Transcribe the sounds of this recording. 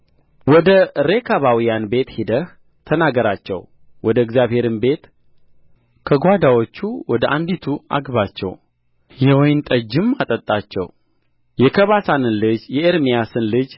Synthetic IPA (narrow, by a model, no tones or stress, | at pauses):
wɔd̪əɾekʰaβawijanbe̞t̪hid̪əh | t̪ʰənaɡəɾat͡ʃːɛ̰w | wɔd̪əɛɡzjaβhe̞ɾɨnbe̞t̪ | kʰəɡʷad̪awo̞t͡ʃːuwɔd̪əʔand̪it̪ʰua̰ɡβat͡ʃːɛ̰w | jɛwɔjnt̪ʼəd͡ʒːɨmːat̪ʼət̪ʼːat͡ʃːɛ̰w | jɛkʰəβasanɨnlɨd͡ʒjɛeɾmijasɨnlɨd͡ʒ